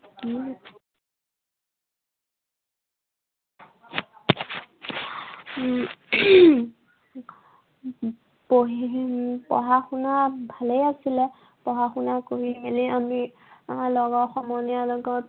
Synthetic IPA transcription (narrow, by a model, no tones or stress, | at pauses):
poɦpɔ̰ɦaxunabʱalejasilɛ | pɔɦaxunakoɦibʱeliami | lɔɡɔxɔmɔnijalɔɡɔt